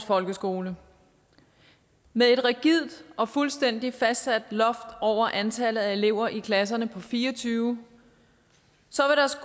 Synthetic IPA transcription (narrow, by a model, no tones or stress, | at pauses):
fɒ̽lɡ̥əsɡ̥o̝ːlə | meðˠe̝d̥ʁaɡ̥ið̰ˠd̥ʔɒ̽fulsd̥en̰d̥ifæsd̥sæd̥lɒ̽fd̥ɒʊ̰ɐʔænt͡sʰælð̩ˠæe̝le̝ʊ̰ɐʔikʰlæs̬ɐnəpʰɒ̽fiːɐt͡sʰyːʊ | sɒ̽ʋeɾɑsɡ